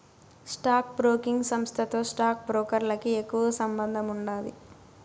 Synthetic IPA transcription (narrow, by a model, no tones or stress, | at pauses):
sʈaːk̚bɾoːkiŋɡsɐmst̪ʰɐt̪o̞ːsʈaːk̚bɾoːkɐɾlɐkiekːuʋɐsɐmbɐnd̪ʱɐmuɳɖaːd̪ḭ